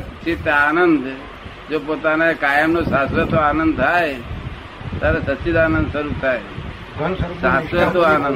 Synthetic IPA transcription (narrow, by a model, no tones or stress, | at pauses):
t͡ʃʰit̪aːnənd̪ | d͡ʒoːpoːt̪anekaːjəmnosaːsʋət̪oaːnə̃nd̪t̪ʰae | t̪aɾesɐt̪ːt͡ʃit̪aːnə̃nd̪səɾut̪ʰaːe | saːsʋət̪oaːnə̃n